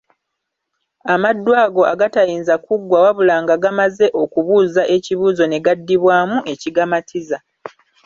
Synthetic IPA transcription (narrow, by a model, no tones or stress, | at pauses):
amadːwaːɡo̞ʔaɡatajiːnzakuɡwawaβulaːŋɡaɡamaze̞ʔo̞kuβuːzaʔe̞ciβuːzo̞ne̞ɡadːiβwaːmuʔe̞ciɡamatʰiza